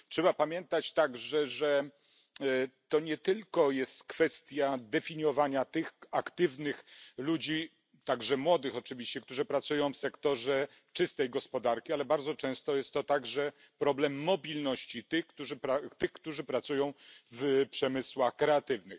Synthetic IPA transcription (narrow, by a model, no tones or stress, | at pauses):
tʂɛbapamʲjɛnt̪at͡ɕt̪aɡʐɛʐɛ | t̪ɔɲɛt̪ɘlkɔjɛst̪kfɛst̪ʲjad̪ɛfʲiɲɔvaɲat̪ɘxakt̪ɘvnɘxlud͡ʑi | t̪aɡʐɛmwɔd̪ɘxɔt͡ʂɘvʲiɕt͡ɕɛk̚t̪uʐɨpɾat̪sujɔ̃w̃fsɛkt̪ɔʐɛ | t͡ʂɘst̪ɛjɡɔspɔd̪aɾkʲialɛbaɾd̪zɔt͡ʂɛ̃w̃st̪ɔjɛst̪ɔt̪aɡʐɛ | pɾɔblɛmːɔbʲilnɔɕt͡ɕit̪ɘxkt̪uʐɘpɾat̪ɘxkt̪uʐɘpɾat̪sujɔ̃w̃vpʂɛmɘswaxkɾɛat̪ɘvnɘx